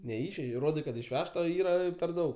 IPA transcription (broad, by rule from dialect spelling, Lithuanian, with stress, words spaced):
nʲɛˈɪʃʲʋʲɛʒʲɛɪ ˈroːdɐɪ kɐt ɪʃʲˈʋʲæːʃtɐ ˈiːrɐ pʲɛr ˈdɐʊk